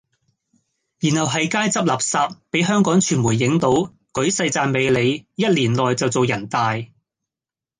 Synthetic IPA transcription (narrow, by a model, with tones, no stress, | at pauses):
jiː˨˩nhɐ˨wɦɐ˨jkaː˥jt͡sɐ˥p̚laː˨p̚saː˧p̚pe˨˥jɦœː˥ŋkɔː˨˥ŋt͡ʃʰyː˨˩nmuː˨˩jːɪ˨˥ŋt̪o˨˥w | kɵ˨˥ɥsɐ˧jt͡saː˧nme˨˧jle˨˧jjɐ˥t̚liː˨˩nlɔː˨jt͡sɐ˨wt͡so˨wjɐ˨˩nt̪aː˨j